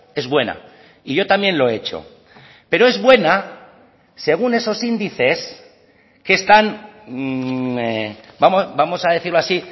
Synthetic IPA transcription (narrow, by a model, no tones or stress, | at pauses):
e̞zβwe̞na̰ | iʝo̞t̪amje̞nlo̞eet͡ʃo̞̰ | pe̞ɾo̞e̞zβwe̞na | se̞ɣ̞une̞so̞sind̪iθe̞s | ke̞ːst̪an | ebamobamo̞sað̞e̞θiɾlo̞asi